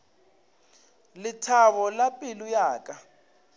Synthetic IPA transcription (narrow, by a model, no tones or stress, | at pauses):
lɪtʰaβɔlapʼilujaːkʼa